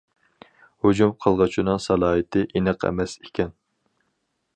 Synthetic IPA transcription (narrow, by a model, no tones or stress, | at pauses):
hod͡ʒumqʰəlˠʁɑt͡ʃʰinɨŋsɑlˠɑːɦɨt̪ʰɪʔinɨqʰɛ̰mɛse̥kʲʰɛn